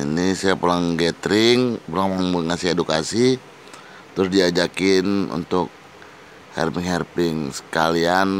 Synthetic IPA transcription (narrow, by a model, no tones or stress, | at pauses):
inisajapulaŋɡɛt̪ɾɪŋpulaŋmaŋməŋasɪhedukasi | t̪ɾʊsdiad͡ʒakɪnṵnt̪ʊk̚ | hɛ̰rpɪŋhɛrpɪŋsə̥kalian